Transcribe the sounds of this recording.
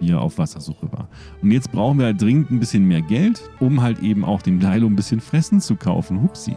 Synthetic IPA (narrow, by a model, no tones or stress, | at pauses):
iːɐʔa̰ʊfv̥asɐzuːχəva̰ːɐ | ʔʊntjɛt͡st̚b̥ʁaʊχn̩viːɐjadʁɪŋəntn̩bɪsçənmeːɐɡɛlt | ʔʊmɦaltʔeːbm̩ʔa̰ʊxd̥eːmdaɪloːnbɪsçənfʁ̥ɛsn̩t͡sukʰaʊfn̩ɦʊpsḭ